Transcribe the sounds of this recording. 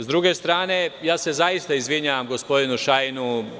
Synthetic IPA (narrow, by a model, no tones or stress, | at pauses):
zd̪ɾuɡe̞st̪ɾaːne̞jaːse̞zaist̪aizʋiɲaʋamɡo̞spo̞d̪inuʃainu